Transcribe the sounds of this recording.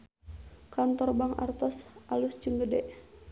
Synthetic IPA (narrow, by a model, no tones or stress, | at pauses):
kant̪ɔrbaŋa̰rt̪ɔsʔalust͡ʃuŋɡədɛʔ